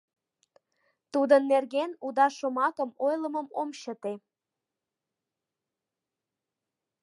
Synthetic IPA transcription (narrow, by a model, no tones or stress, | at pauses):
t̪ud̪ənːerɣenud̪ɑʃomɑkə̆mojlə̆məmomɕət̪e